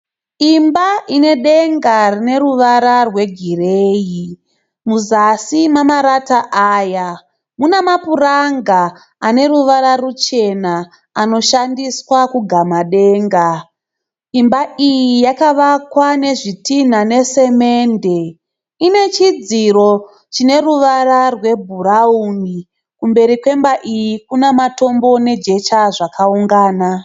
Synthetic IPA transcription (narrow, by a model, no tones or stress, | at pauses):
imbaʔine̞ɗe̞ŋɡarine̞ɾuʋaɾarwe̞ɡʱireːji | muzasimamaɾataʔaːja | munamapuraŋɡaː | ne̞ɾuʋaɾarut͡ʃe̞na | ano̞ʃandiswakuɡʱamaɗe̞ːŋɡa | imbaʔijijakaʋakwane̞ʐitin̤ane̞se̞me̞ːnde̞ | ine̞t͡ʃid͡ziro̞ | t͡ʃine̞ruʋararwe̞bʱuɾauni | kumbe̞ɾikwe̞mbaʔijikunemato̞mbo̞ne̞d͡ʒe̞t͡ʃaʐakʰauŋɡaːna